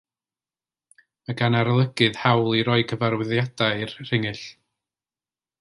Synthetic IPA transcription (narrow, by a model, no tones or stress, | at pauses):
əɡanaɾlˠəɡɨðhawlˠiɾɔɨɡəvaɾwɪðjadaɨrr̥ɪŋɨɬ